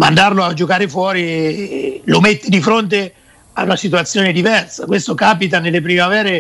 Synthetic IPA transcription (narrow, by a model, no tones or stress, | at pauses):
ma̰nd̪arload͡ʒokaːɾefwɔːɾi | lomet̪ːed̪ifɾont̪̬e | a̰unasit̪uat̪sːjoːned̪ivɛrsakwest̪okaːpit̪anelːepɾimavɛːɾe